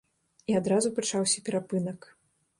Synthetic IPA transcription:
iad̪ɾazupɾɨt͡ʂawsʲɐpʲɛɾapɨnɐk

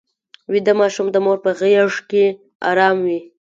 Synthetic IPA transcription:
wid̪amɑʃumd̪əmoɾpəɣəjaʐke | ɑ̰ɾɑmwi

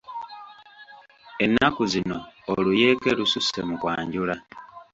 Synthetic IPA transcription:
e̞nːakuzino̞ːluje̞ːke̞lususe̞mukwaːɲɟula

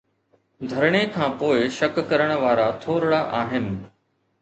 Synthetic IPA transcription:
d̪ʱɐɾɽ̃ekʰãːpoːɪʃɐkːɐɾəɽ̃ʋaːɾat̪ʰoːɾɽaʔaːɦɪnɪ̆

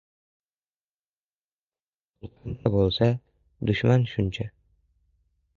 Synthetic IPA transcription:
qʰʊlˠqʰɑnd̪ʰabolˠsa | d̪ʊʃmanʃʊnt͡ʃʰa

